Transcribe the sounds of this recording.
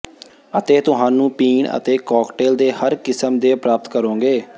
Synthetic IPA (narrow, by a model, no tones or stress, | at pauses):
ət̪eːt̪ʊɦaːnũːpiːɳə̰t̪eːkɔːkʈeːld̪eːhəɾkɪsəmd̪eːpɾaːpət̪kəɾõːɡeː